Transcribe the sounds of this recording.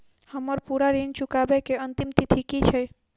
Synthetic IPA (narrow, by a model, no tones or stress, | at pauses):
həməɾpuɾaɾint͡ʃukabɛkeənt̪imt̪it̪ʰikit͡ʃʰɛ